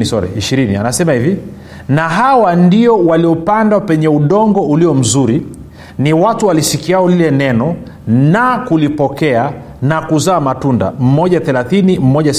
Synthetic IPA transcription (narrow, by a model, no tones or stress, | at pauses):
sɔɾɛ̰iʃiɾinḭa̰nasɛmahivi | naɦawandiɔwaliɔpandwapɛɲɛuɗɔŋɡɔuliɔm̩zuɾi | niwatuwalisikiaɔlilɛnɛnɔ | nakulipɔkɛa | nakuzaːmatunda̰m̩mɔʄaθɛlaθinim̩ːɔʄas